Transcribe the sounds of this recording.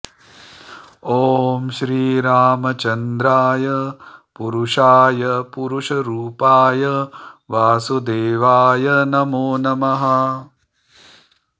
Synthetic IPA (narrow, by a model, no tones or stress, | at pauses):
oːmʃɾiːɾaːmɐt͡ʃɐnd̪ɾaːjɐpuɾuʃaːjɐpuɾuʃɐɾuːpaːjɐʋaːsud̪eːʋaːjɐnɐmoːnɐmɐɦɐ